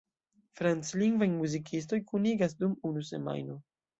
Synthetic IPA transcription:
fɾant͡sliŋɡvajmuzikʰisto̞jkuniɡas̬dumunuse̞̰ma̰jno

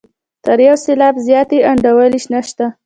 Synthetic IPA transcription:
t̪əɾjawselɑbzjɑt̪eaɳɖawəliʃnaʃt̪a

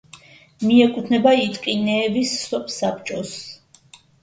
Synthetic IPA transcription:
miɛkʼut̪ʰnɛbait̪ʼqʼinɛːvisːɔpʰʼsap̚ʰt͡ʃʼɔs

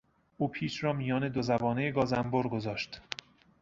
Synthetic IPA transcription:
ʔuːpʰiːʃɾɒːmijɒːne̞d̪ozæbɒːnejeɡɒːzæmboɾɡozɒːʃt̪

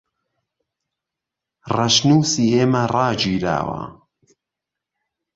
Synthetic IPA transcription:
rɐʃnuːsiːheːmɐrɑːd͡ʒiːɾa̰ːwa̰

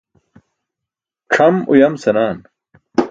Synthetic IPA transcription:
ʈ͡ʂʰɐmṵjɐmsɐnaːn

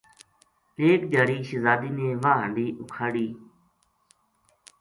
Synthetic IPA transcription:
eːk̚d͡ʒaːɾiːʃəzaːd̪iːneːʋaːɦəɳɖiːʔʊkʰaːɽiː

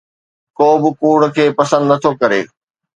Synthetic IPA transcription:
koːbɪkuːɽ̆kʰeːpɐsə̃nd̪nɐt̪ʰokɐɾḛː

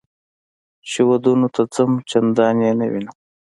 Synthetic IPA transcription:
ʃiwad̪unot̪ʰat͡samt͡ʃand̪ɑnjenawḭna

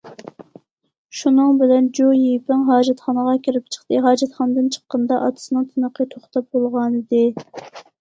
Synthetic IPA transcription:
ʃunɨŋbɪlɛnd͡ʒojepɪŋɦɑːd͡ʒɛt̪χɑnəʁɑkʲʰiɾɪp̚t͡ʃʰə̥χt̪ɨɦɑːd͡ʒɛt̪χɑnɨd̪ɨnt͡ʃʰə̥qːənd̪ɑʔɑ̰t̪ʰɨ̥sɨnɨŋt̪ʰɨnəqʰət̪ʰoχt̪ɑp̚bolˠʁɑnɨd̪ɨ

